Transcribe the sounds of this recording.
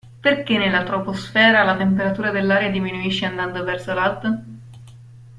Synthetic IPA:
perkenːelːat̪ɾoposfɛːɾalat̪empeɾat̪uːɾad̪elːaːɾead̪iminuiʃːeand̪and̪ovɛrsolalt̪

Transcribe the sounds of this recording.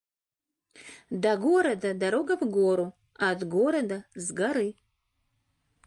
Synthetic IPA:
d̪aɡuɾad̪ad̪aɾoɡavɡoɾu | ad̪ɡoɾad̪azɡaɾi

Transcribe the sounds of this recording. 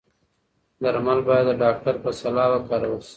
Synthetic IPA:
d̪aɾmalbɑjad̪ːəɖɑk̚ʈaɾpəsalɑwəkɑɾawəs

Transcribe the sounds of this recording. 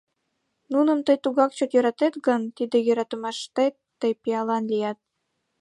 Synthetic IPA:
nunə̆mt̪əjt̪uɣɑkt͡ɕɤ̆kjøɾɑt̪et̪ɡə̆nt̪id̪ĕjø̆ɾɑt̪ə̆mɑʃt̪ej | t̪əjpijɑlɑnlʲijɑt̪̚

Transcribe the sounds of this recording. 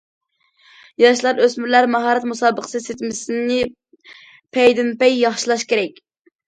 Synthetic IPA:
jɑʃlˠɑɾøsmyɾlæɾmɑɦɑːɾɛt̪musɑːbəqʰə̥sɨset̪ʰɪmɪsɪnɪ | pʰɛjd̪ɪnpɛjːɑχʃilˠɑʃkʲeɾɛkʲ

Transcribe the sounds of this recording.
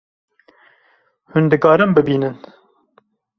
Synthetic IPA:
hʊnd̪ɨkɑːɾɨmbɨbiːnɨn

